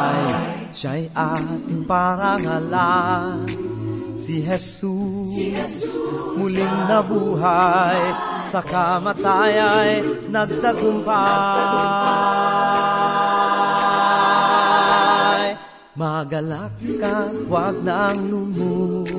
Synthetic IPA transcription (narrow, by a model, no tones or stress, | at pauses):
j | ʃajʔat̪ɪŋpaɾaŋala | siɦɛsu | ss | mʊliŋːɐbuɦaj | sɐkamat̪ajajnɐɡ̚d̪aɡʊmpa | jj | maɡɐlakːawaɡ̚naŋlumo